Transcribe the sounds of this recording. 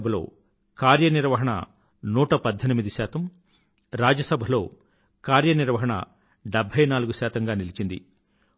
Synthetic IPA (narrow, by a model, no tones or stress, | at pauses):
bʱɐlo̞̰ː | kaːɾjɐniɾʋɐɦɐɳɐ̰ | nuːʈɐpɐd̪ʱːenimid̪isaːt̪ɐm | ɾaːd͡ʒɐsɐbʱɐlo̞ː | kaːɾjɐniɾʋɐɦɐɳɐ̰ | ɖebʱɐjnaːluɡuʃaːt̪ɐŋɡaːnilit͡ʃind̪ḭ